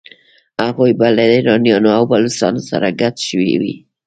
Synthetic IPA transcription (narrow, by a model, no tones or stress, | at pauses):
aɣojbalad̪ɾɑnjɑnoawbalosɑ̰nosa̰ɾaɡat̪ʃəwḭwḭ